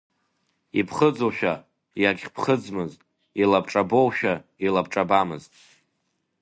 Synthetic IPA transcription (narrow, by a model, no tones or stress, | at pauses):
ipʰχəd͡zoʃᶣa | jaɡʲχʲpʰχəd͡zmɨztʼ | ilabʈ͡ʂʼabo̞wʃᶣailabʈ͡ʂʼabamɨztʼ